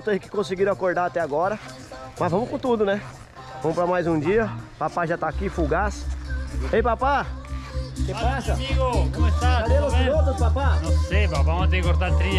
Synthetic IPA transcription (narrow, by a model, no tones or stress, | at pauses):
t̪ẽjʊkɪ̥kõsɪɡiɾakoɾd̪aɾat̪ɛaɡɔɾɐ | mɐzvɐ̃mʊkõt̪ud̪ʊnɛ | vɐ̃mʊpɾɐmajzũd͡ʒiɐpapaʒat̪aːkifuɡas | ejpapa | keasɐiɡokmɐt̪aaelʊot̪ɐpapanɐ̃sejpapamat̪ẽkoɾt̪at̪ɾiɐ